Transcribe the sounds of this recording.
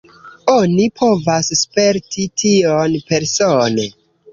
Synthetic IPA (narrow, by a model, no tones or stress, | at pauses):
onipʰo̞vasspe̞ɾtʰitʰionpe̞ɾsone